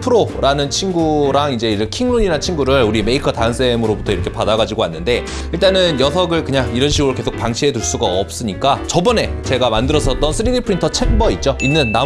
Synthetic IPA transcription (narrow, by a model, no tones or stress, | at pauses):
pʰɯɾoɾanɯnt͡ɕʰinɡuɾaŋid͡ʑe̞iɾɯkʰiŋnuɲinat͡ɕʰinɡuɾɯɭuɾime̞ikʰʌtansʰe̞mɯɾobutʰʌiɾʌkʰe̞padaɡad͡ʑiɡoanːɯnde̞ | iɭt͈anɯnjʌsʰʌɡɯɭkɯɲaŋiɾʌnɕʰiɡɯɾoke̞sʰok̚paŋɕʰiɦe̞tuɭs͈uɡaʌp̚s͈ɯɲik͈at͡ɕʌbʌne̞t͡ɕe̞ɡamandɯɾʌsʰʌt̚t͈ʌnsʰɯɾidipʰɯɾintʰʌt͡ɕʰembʌit̚t͡ɕ͈oinːɯnːa